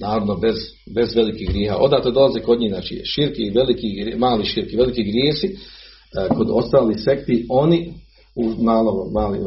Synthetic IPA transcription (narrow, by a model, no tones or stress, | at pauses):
naːɾoʋnobez | be̞zʋe̞likiːɦɡɾjeːɦa̰ːʔo̞d̪aːt̪od̪o̞lˠazeko̞d̪ɲiːznaːt͡ʃḭʃiɾkiʋelikiɡɾmaːliʃiːɾkiʋe̞likiɡɾjeːsi | ko̞d̪o̞st̪aːlise̞kt̪io̞ni | umaːloʋomaːlḭ